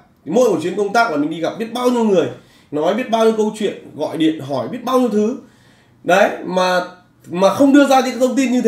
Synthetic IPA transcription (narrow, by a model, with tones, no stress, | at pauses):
mo̰˧˥jku˧˩t͡ɕi˨˦ənkə˧wŋ͡mt̪aː˦˥kla˨˩mi˨˩ŋ̟ɗi˧ɣa˨˩p̚ɓi˦˥t̚ɓaː˧wɲi˧əwŋɨ˨˩əj | nɔ˨˦jɓi˦˥ət̚ɓaː˧wɲi˨˧əwkə˧wt͡ɕwḭ˧˨ənɣɔ̰˧˨jɗḭ˧˨ənɦɔ˧˩jɓi˦˥t̚ɓaː˧wɲi˧əwt̪ʰɨ˨˦ | ɗə˨˦jmaː˨˩ | maː˨˩xə˧wŋ͡mɗɨ˧əzaː˧kɨ̰˧˥a˦˥kt̪ʰə˧wŋ͡mt̪i˧nɲɨ˧e˨˦